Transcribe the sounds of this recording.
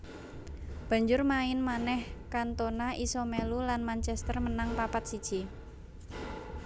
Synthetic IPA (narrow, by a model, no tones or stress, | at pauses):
b̥ä̤ɲd͡ʒʊrmaɪnmanɛhkant̪onaʔisomelulanmant͡ʃɛst̪ərmənaŋpapat̪̚sid̥ʒ̥i